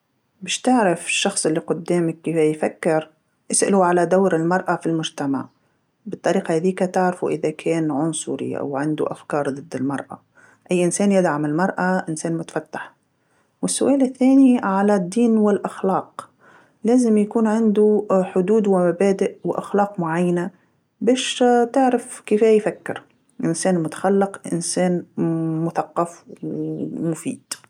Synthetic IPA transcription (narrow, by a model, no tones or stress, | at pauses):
bɪːʃt̪ɪʕɾɪfɪʃːɑxsˤʔɪlːiqʊd̪ːeːmɪkːifajfakːɪɾ | ʔɪsʔa̰luʕalad̪awɾɪlmɑɾˤʔafilmʊʒt̪ama̰ʕ | bɪt̪ˤːɑɾiːqahaðiːkat̪ɪʕɾfuʔɪðakʰeːnʕʊnsˤʊ̰ɾḭʔa̰wʕɪnd̪ṵʔa̰fkɑːɾˤd̪ˤɨd̪ːɪlmɑ̰ɾˤʔa̰ | ʔajːʔɪnsæːnjɪd̪ʕamɪlmɑɾˤʔaʔɪnseːnmʊt̪ḁfat̪ːḁħ | wɪsːʊʔæːlɪθːæːniʕalad̪ːiːnwɪlʔaxlɑːq | læːzɪmjakuːnʕɪnd̪uħʊd̪uːd̪wɪmabæːd̪ɪʔwɪʔa̰xlɑːqmʊʕajːana | bæːʃt̪ɪʕɾafkɪfæːjfakːɪ̰ɾ | ʔɪnsæːnmʊt̪ḁxalːɪqʔɪ̰nsæːnmʊθɑqːɑf | mʊfḭːd̪̥